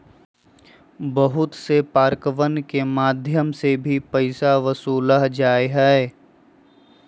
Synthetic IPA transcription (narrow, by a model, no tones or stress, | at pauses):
bəɦʊt̪sepaːɾkəʋənkemaːd̪ʱjəmsebʱipəɪsaʋəsuːlaɦd͡ʒaːeɦɛe